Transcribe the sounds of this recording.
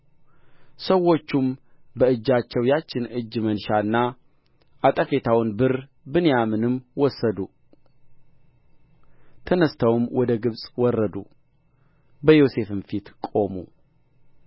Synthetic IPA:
səwːo̞t͡ʃːum | bəɨd͡ʒːat͡ʃːɛwjat͡ʃːɪnɨd͡ʒːmənʃaɨnːa | ʔat̪ʼəfe̞t̪ʰawnbɨɾ | bɨnjamɨnɨmwɔsːəd̪u | t̪ʰənəst̪ʰawmwɔd̪əɡɨβsʼwɔrːəd̪u | bəjo̞se̞fɨnfit̪kʼo̞mṵ

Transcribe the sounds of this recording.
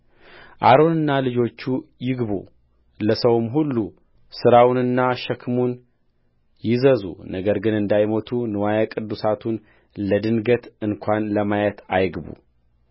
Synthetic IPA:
ʔaɾo̞nɨnːalɨd͡ʒo̞t͡ʃːujɪɡbṵ | ləsəwmɦulːu | sɨɾawnɨnːaʃəkʰmun | jɪzəzṵnəɡəɾɡɨnɨnd̪ajmot̪ʰunɨwajakʼɨd̪ːusat̪ʰun | ləd̪ɨnɡət̪ɨnkʰʷanləmajət̪ʰajɡbṵ

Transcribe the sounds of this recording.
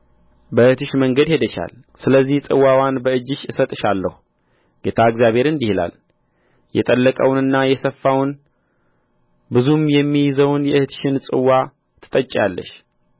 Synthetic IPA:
bəɨht̪ʰɨʃməŋɡəd̪he̞d̪əʃa̰l | sɨləzːiht͡sʼɨ̰wawanbəɨd͡ʒːɪʃʔɨsət̪ʼɨʃalːəhu | ɡ̥e̞t̪ʰaɨɡzjaβhe̞ɾɨnd̪ihla̰l | jʔɛ̰t̪ʼəlːəkʼəwnɨnːajɛsəfːawn | bɨzumjɛmːijzəwnjɛɨht̪ʰʃɪnsʼɨwːa | t̪ʰɨ̥t̪ʼət͡ʃʼalːə̰ʃ

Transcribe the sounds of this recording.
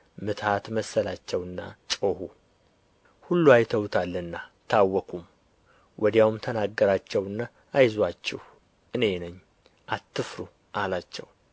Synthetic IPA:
mɨt̪ʰat̪məsːəlat͡ʃːɛwɨnːa̰t͡ʃʼohu | hulːuajt̪ʰəwt̪ʰalːənːat̪ʰawːɔkʰum | wʔɔd̪jawmt̪ʰənaɡːəɾat͡ʃːɛwɨnːa | ʔːjzwat͡ʃːɛh | ʔɨne̞nəɲː | ʔat̪ːɨfɾu | ʔalat͡ʃːɛ̰w

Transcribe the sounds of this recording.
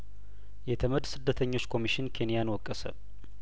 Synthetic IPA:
jɛt̪ʰəməd̪sɨd̪ːət̪ʰəɲːo̞t͡ʃːkʰo̞miʃɪnkʰe̞nijanwɔkʼːəsə̰

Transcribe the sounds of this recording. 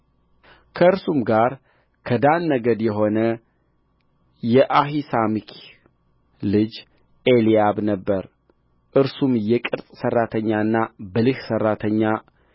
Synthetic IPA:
kʰəɨɾsumɡaɾ | kʰəd̪anːəɡəd̪jɛɦo̞nə | jɛʔaɦisamikʰ | lɨd͡ʒ | ʔeliabnəbːəɾ | ʔɨɾsumjɛkʼɨɾt̪ʼsərːat̪ʰəɲːaɨnːabəlɨhsərːat̪ʰəɲːa

